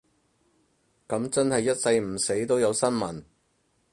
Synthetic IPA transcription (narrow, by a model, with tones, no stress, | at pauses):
kɐ˨˥mt͡sɐ˥nhɐ˨jːɐ˥t̚sɐ˧jm̩˨˩se˨˥jt̪o˥wjɐ˨˧wsɐ˥nmɐ˨˩n